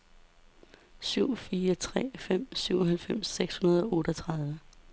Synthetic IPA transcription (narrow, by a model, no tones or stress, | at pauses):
syʊ̰fiːɐt͡sʰʁɛ̰ːfem̰syʊ̰ɒɦælfem̰sːeɡ̥shunɐð̞ˠɒ̽ɔ̽ːɾ̥ɒt͡sʰʁɑ̈ðˠʋə